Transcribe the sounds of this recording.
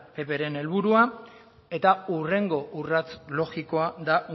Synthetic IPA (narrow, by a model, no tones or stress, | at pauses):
pe̞pe̞ɾe̞ne̞lβuɾua | e̞t̪aure̞ŋɡo̞ʔurat͡slo̞ɣiko̞ad̪a